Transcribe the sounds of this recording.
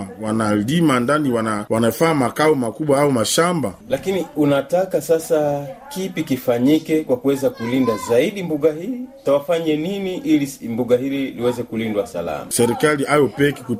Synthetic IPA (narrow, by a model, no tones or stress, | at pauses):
awanalimandaniwanawanajɔfamakaɔmakuɓwaaumaʃambalakiniunatakasasakipikifaɲikɛkwakuwɛzakulindazaiɗimbuɠahitawafaɲɛniniʔilimbuɠahililiwɛzɛkulindwasa̰la̰masɛɾikaliʔajɔpɛki̥ku